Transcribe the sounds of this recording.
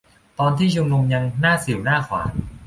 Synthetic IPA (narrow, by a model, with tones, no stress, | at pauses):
t̪ɔː˧nt̪ʰiː˥˩u˧mnu˧mja˧ŋnaː˥˩si˨˩˦wnaː˥˩kʰwa̰ː˩˦n